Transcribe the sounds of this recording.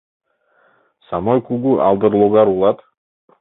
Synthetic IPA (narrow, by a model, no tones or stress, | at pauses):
samojkuɡuʔɑ̰lˠd̪ɨɾlˠoɡaɾulˠɑt̪